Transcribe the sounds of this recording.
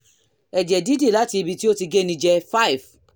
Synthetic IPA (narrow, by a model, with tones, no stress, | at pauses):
ɛ˨d͡ʒɛ˨di˦de˦˨la˨˦ti˧i˧bi˧ti˦o˦ti˧ɡe˦nĩ˧d͡ʒɛ˧fa˦i˨f